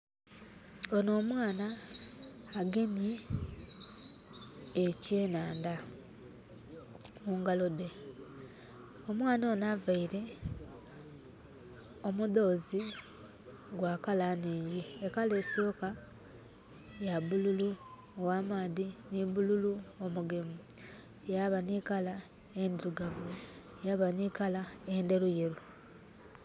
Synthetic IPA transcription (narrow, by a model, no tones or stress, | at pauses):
ono̞ːmwaːnaː | ɡe̞nje | ceːnaːnda | muŋɡalo̞de̞ | omwaːnaonavaiɾe̞ | omuðo̞ːzi | ɡwaːkalaniːjiekale̞sio̞ka | jaβululuowamaːðiniβululuomuɡemu | jaβanikala | end̪iɾuɡavu | jaβaniːkalaende̞ɾujeɾu